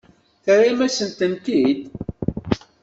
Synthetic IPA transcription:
θəɾimæsənt̪ənt̪id̪

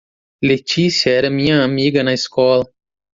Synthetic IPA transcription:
let͡ʃisiɐɛɾɐmĩɲɐamiɡɐnɐiskɔlɐ

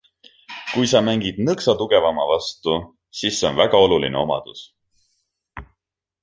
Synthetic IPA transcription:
kujsɑmæŋɡ̥id̪̥nɤksɑt̪uɡ̥e̞vɑmɑvɑst̪u | sisːeo̞̰nvæɡ̥ɑo̞lulḭne̞̰o̞mɑ̰d̪̥us

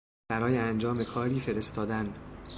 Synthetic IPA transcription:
b̥æɾɒːjeænd͡ʒɒːme̞kʰɒːɾiːfe̞ɾe̞st̪ɒːd̪æn

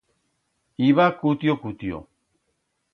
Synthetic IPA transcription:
iβakut̪iokut̪io̰

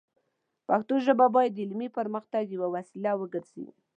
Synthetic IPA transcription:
paxt̪oʒəbabɑjad̪ɪlmipəɾməxt̪aɡjəwawasilawəɡəɾz̥ḭ

